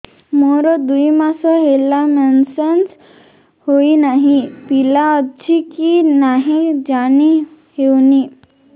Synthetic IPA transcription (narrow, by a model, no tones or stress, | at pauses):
moɾɔd̪uimãsɔɦelamensens | hoinaɦĩpilaəd͡ʒikinaɦĩd͡ʒani | hewni